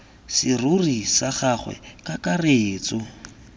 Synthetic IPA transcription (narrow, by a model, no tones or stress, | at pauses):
sɪrʊrisaχaχwɛ̰kʼakareːt͡sʼɔ